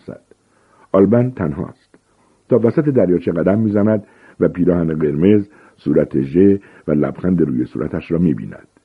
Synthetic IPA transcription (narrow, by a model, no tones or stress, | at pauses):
sæ̰d̪̥ | ʔɒlbænt̪ʰænɦɒ̰ːst̪ | t̪ʰɒːvæsæt̪ed̪æɾjɒːt͡ʃʰeɣæd̪æmːiːzænæd̪ | væpiːɾɒːhæneɣe̞ɾme̞z | suːɾæt̪ʰeʒe | vælæ̰b̥xænd̪eɾuːjesṵːɾæ̰t̪ʰæʃɾɒːmiːbḭːnæ̰d̪̥